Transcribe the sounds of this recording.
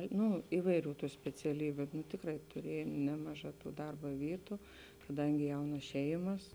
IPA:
ˈnʊ ˈiːʋɐɪˌrʲuː ˈtuː sʲpʲɛt͡sʲɛˈlʲiːbʲʊ nʊ ˈtʲɪkrɐɪ tʊˈrʲiɛjɛm ˈnʲæːmɐˌʒɑː ˈtuː ˈdɐrbɐ ˈʋʲiːtʊ kɐˈdɐŋʲɡʲɪ ˈjɛʊnɐs ˈʃʲɛɪmɐs

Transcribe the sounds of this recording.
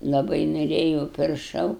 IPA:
lˠɐˈbɐɪ noːˈrʲeːjuːʊ pʲɪrˈʃɐʊ

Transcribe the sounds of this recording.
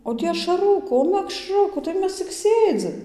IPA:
oː ˈtʲiː ɐʃɐˈrʊkuː oː mʲɛkˈʃrʊkuː tɐɪ ˈmʲɛs t͡sʲɪk ˈsʲeːd͡zʲɪm

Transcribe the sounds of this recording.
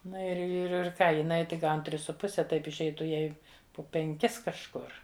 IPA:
ˈnɐ ɪr ɪr ɪr ˈkɑː jɪˈnɐɪ tʲɪk ˈɡɐʊn ˈtʲrʲɪs sʊ ˈpʊsʲɛ ˈtɐɪp ɪʃʲˈɛɪtʊ ˈjɛɪ poː pʲɛŋʲˈkʲɪs kɐʃˈkʊr

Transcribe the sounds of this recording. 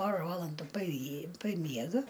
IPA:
ˈpoːrɐ ˈʋɑːlˠɐndʊ pɐˈjiː pɐˈmʲiɛɡɐ

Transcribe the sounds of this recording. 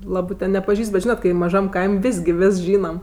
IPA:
ˈlˠɑːbɜ tʲɛn nʲɛpɐˈʒʲiːst bʲɛt ˈʒʲiːnɐt ˈkɐɪ mɐˈʒɐm ˈkɐɪmʲ ˈʋʲeːsʲ ɡʲɪ ˈʋʲeːs ˈʒʲiːnɐm

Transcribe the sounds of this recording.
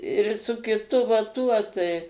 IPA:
ɪr sʊ kʲɪˈtʊ ʋɐ ˈtuɔ tɐɪ

